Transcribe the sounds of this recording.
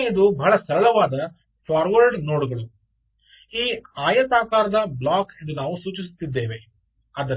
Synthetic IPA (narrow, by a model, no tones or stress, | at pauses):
ɐd̪ubɐɦɭɐsɐɾɐɭɐʋaːd̪ɐ | pʰaːɾʋɐɾɖno̞ːɽuɡɐɭu | iːaːjɐt̪aːkaːɾɐd̪ɐbɭaːkind̪unaːʋusuːt͡ʃis̬u̥t̪ːid̪ːe̞ːʋe̞ | ɐd̪